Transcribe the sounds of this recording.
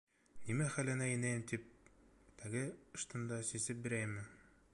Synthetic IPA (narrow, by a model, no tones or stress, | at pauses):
nimæχælɘ̆næinæjɘmt̪ip̚t̪æɡɘɤ̆ʃt̪ɤ̆nd̪ɑsisɘp̚bɘ̆ɾæjmːɘ